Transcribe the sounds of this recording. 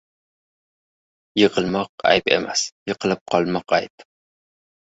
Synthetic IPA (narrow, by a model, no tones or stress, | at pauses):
jɨʁəlˠmɑqæ̰jpḛmæsjɨqʰəlˠɨp̚qʰɒlˠmɑqæ̰jp